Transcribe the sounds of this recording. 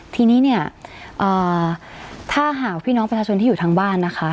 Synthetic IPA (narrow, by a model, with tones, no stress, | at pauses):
t̪ʰiː˧niː˦˥ni˥˩ɐʔɤː˨˩ | t̪ʰaː˥˩ɦaː˨˩kpʰiː˥˩nɔː˦˥pɾa˧t͡ɕʰaː˧t͡ɕʰo˧nt̪ʰiː˥juː˨˩t̪ʰa˦˧˥ŋbaː˥˩nːa˦˥kʰa˦˥